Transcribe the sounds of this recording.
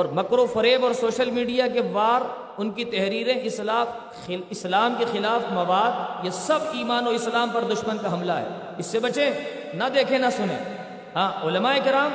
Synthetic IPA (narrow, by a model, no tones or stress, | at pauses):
ɔːɾmɐkɾofɐɾeːbɔːɾsoːʃəlmiːɖijakeʋaːɾ | ʊnkit̪ɛɦɾiːɾẽʔɪslaː | ɪslaːmkexɪlaːfmɐʋaːd̪̚jesɐbiːmaːnoɪslaːmpɐɾd̪ʊʃmənkaɦɐmlaɦɛ̰ː | ɪsːebɐt͡ʃẽ | nɐd̪eːkʰẽnɐsʊnḛ̃ː | ɦãːʊlɐmaːeːkɪɾaːm